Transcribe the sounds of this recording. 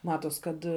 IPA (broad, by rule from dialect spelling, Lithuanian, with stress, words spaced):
ˈmɑːtoːs kɐt